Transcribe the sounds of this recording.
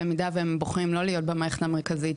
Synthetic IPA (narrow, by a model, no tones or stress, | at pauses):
emidaveemboχʁimlo̞lijo̞t̚bemaːeχe̥tameʁkazi